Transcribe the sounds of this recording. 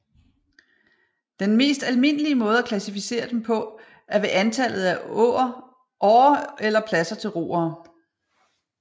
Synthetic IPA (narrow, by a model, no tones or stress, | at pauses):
d̥enme̝̰ːsd̥ælme̝n̰əliəmɔ̽ːð̞̩ˠækʰlæsifise̝̰ːɐd̥empʰɒ̽ | æɐʋe̝ʔænt͡sʰæl̰ð̞̩ˠæɔ̰ːɐ | ʔɒːelɐpʰlæsɐt͡sʰe̝lʁo̝̰ːɐː